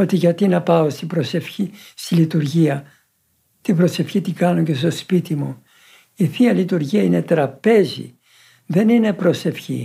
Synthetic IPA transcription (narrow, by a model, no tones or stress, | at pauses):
o̞t̪iʝɐt̪inɐpɐo̞st̪ibɾosefçist̪ilit̪uɾʝiɐ | t̪ibɾo̞se̞fçit̪iɡɐnuɲce̞st̪o̞spit̪imu | iθiɐlit̪uɾʝiɐine̞t̪ɾɐpe̞zḭ | ðe̞nine̞pɾo̞se̞fçḭ